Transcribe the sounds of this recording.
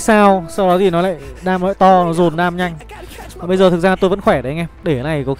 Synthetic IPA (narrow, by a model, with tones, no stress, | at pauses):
saː˧wsa˧wɗɔ˨˦zi˨˩nɔ˨˦la̰ː˧˨jɗaː˧mlɔ̰ː˧˨jt̪ɔ˧nɔ˨˦zo˨˩nɗaː˧mɲa˧jŋ̟ | aː˨˩ɓə˧jzəː˨˩t̪ʰɨ˨˩k̚zaː˧˨˩t̪o˧jvə̰˧˥nxwɛ˧˩ɗə˨˦jŋɛ˧ɗe˧˩˦la˨˩jkɔ˨˦x